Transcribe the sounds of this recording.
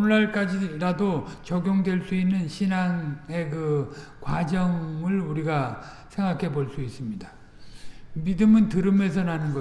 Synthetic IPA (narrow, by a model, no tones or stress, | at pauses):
nɭːaɭk͈ad͡ʑiɾadot͡ɕʌɡʲjoŋdwe̞ɭs͈uinːɯnɕʰinaŋe̞kɯkwad͡ʑʌŋɯɭuɾiɡa | sʰe̞ŋɡakʰe̞boɭs͈uis͈ɯmɲida | midɯmɯntɯɾɯme̞s̬ʰʌnanɯnɡʌ